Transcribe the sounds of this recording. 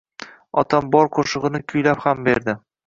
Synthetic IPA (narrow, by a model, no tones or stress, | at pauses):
ɒ̰t̪ʰambɒɾqʰoʃɨʁɨnɪkʲʰʊjlaphambeɾd̪ɪ